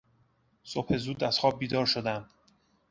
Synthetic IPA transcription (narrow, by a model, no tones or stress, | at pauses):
sophe̞zuːd̪æz̥xɒːb̚ːiːd̪ɒːɾʃo̞d̪æm